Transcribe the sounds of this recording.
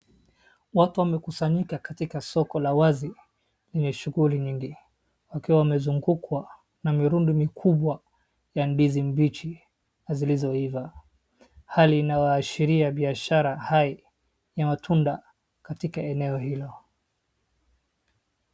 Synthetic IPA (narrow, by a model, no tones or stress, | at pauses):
watuwamɛkusaɲikakatikasɔkɔlawazi | lɛɲɛʃuɣuliɲiŋɡi | wakiwawamɛzuŋɡukwa | namiɾundimikʰuɓwa | janɗizim̩bit͡ʃi | azilizɔiva | haliːnajaːʃiɾiaɓiaʃaɾahai | jamatʰunda | katikaɛnɛɔhilɔ